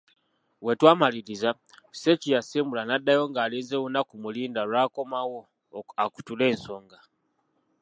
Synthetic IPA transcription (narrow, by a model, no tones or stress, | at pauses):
we̞twaːmaliɾiza | se̞cijasiːmbulanadːajo̞ŋɡaːleːzewunakumuliːndalwaːko̞mawo̞ | aku̥tule̞ːnso̞ːŋɡa